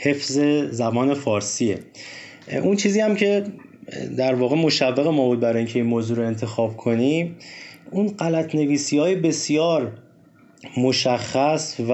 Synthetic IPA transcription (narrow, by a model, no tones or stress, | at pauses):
he̞fze̞zæbɒːne̞fɒːɾsiḛ | ʔunt͡ʃʰiːziːhæmcʰe̞ | d̪æɾvɒːɣe̞mo̞ʃævːeɣe̞mɒːbuːd̪̚bæɾɒːjiːŋcʰe̞inmoːzuːɾo̞e̞nt̪ʰe̞xɒːb̥kʰo̞nimunɢælæt̪ʰne̞viːsiːɒːjebe̞sijɒːɾ | moʃæχːæsv